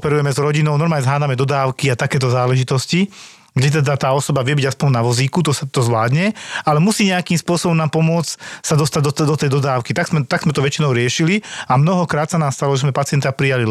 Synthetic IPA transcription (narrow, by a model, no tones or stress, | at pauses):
ɔpɛɾujɛmɛzɾɔɟinɔʊnɔɾmaːɲɛzɦaːd̪amɛd̪ɔd̪aːʊkiat̪akɛːt̪̬ɔzaːlɛʒit̪ɔsci | ɡɟɛt̪̬ɛd̪at̪aːɔsɔbaʋɪɛbiɟaspɔnnaʋɔziːkut̪̬ɔsat̪ɔzʋlaːd̪ɲɛalɛmusiːɲɛakiːmspʊɔsɔbɔmnaːmpɔmʊɔt͡ssad̪ɔst̪aɟd̪ɔt̪d̪ɔt̪ɛjd̪ɔd̪aːʊkit̪aɡzmɛt̪aɡz̥mɛt̪ɔʋɛt͡ʃinɔʊɾɪɛʃiliamnɔɦɔkɾaːt̪sanaːmst̪alɔʒɛzmɛpat͡sɪɛnt̪apɾijali